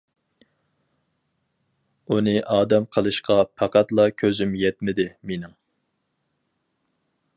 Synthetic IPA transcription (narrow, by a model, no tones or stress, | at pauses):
unɨʔɑːd̪ɛmqʰəlˠɨʃqɑpʰɑqɑt̪lˠɑkʲʰøzymjɛt̪mɪd̪ɪmenɪŋ